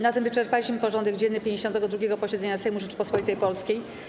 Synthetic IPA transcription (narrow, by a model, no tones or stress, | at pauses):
nat̪ɛmvɘt͡ʂɛɾpalʲiɕmɘpɔʐɔnd̪ɛɡd͡ʑɛnnːɘpʲjeɲd͡ʑeɕɔnt̪ɛɡɔd̪ɾuɡʲɛɡɔpɔɕɛd̪zɛɲasɛjmuʐɛt͡ʂpɔspɔlit̪ɛjpɔlskʲej